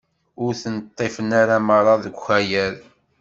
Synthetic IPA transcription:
ʊɾθənt̪ˤːefənaɾaməɾˤɑðəɡʷxæjæɾ

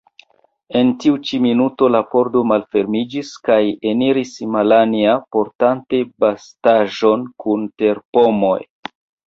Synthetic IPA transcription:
e̞ntiut͡ʃiminuto̞lapo̞ɾdo̞malfe̞ɾmid͡ʒiskajeniɾismalaniapo̞ɾtante̞bastaʒo̞nkʰunte̞ɾpo̞mo̞̰j

